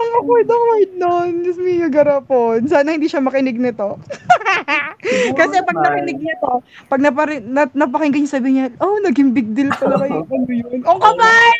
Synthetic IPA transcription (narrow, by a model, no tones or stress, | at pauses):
ɐŋɐkojd̪ɐkwajd̪̚nonɪsmijɐɡɐɾaponsaːnɐhɪnd̪iːʃɐmɐkɪnɪɡ̚nɪt̪o̞ | kɐsɛpɐɡnɐkɪnɪɡ̚nɪt̪o̞ | pɐɡ̚nɐpɐɾɪnɐnɐp̬ɐkɪŋɡɐɲʊŋsɐbiːhɪɲɐʔonɐɡɪmbɪk̚d̪ɪlt̪ɐlɐɡɐjʊŋʔɐnojonʔokɐba